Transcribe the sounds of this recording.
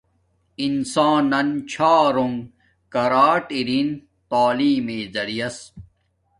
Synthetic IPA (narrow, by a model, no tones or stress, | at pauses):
insaːnːɐnt͡ɕʰaːɾoŋɡ | kɐɾaːʈiɾin | t̪aːliːmeːzɐɽijɐs